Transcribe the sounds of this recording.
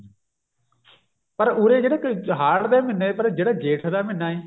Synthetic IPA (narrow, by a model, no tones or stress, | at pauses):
pəɾuːɾeːd͡ʒeːɽekɦaːɽd̪eːmɪneːpəɾd͡ʒeːɽəd͡ʒeːʈʰd̪aːmɪnaːeː